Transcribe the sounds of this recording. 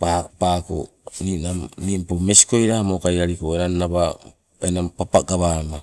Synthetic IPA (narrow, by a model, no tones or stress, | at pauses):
papaːko̰ | ninamnimpome̞si̥ko̞jɾamokajɾaɾikoeɾanːaβa | enampapaɡaβama